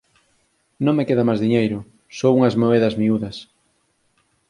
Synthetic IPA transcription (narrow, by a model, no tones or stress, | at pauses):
nõŋmekeðɐmajzðiɲejɾʊ | sowuŋɐzmoeðɐzmiuðɐs